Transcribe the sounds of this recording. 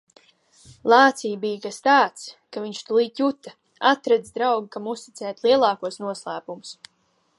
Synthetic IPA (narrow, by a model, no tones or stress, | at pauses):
lˠɑːt̪siːbijkast̪aːt̪skaviɲʃt̪ulˠiːt̪jut̪a | at̪ɾɛd̪zd̪ɾawɡikamust̪it̪sɛːt̪lˠiɛlˠɑːkuɔsnuɔslˠæːpumus